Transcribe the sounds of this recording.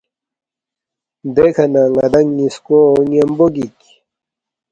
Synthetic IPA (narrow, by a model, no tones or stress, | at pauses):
d̪ekʰanaŋad̪aŋːiskonemboɡik